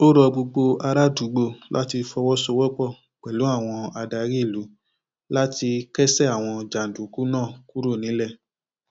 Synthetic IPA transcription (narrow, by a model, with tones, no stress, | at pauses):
o˦ɾɔ˧ɡ͡bo˧ɡ͡bo˧a˧ɾa˦du˨˦ɡ͡bo˧lʔa̰˦ti˧fɔ˧wɔ˦so˧wɔ˦k͡pɔ˦˨ | k͡pɛ˨lu˨˦a˦˨w̃ɔ̃˧a˧da˧ɾi˦˨lu˨˦ | la˦ti˧kɛ˦sɛ˦a˨w̃ɔ̃˧d͡ʒa˨n̩˨du˨˦ku˦nãː˦˨ku˦ɾo˦˨nĩ˨˦lɛ˦˨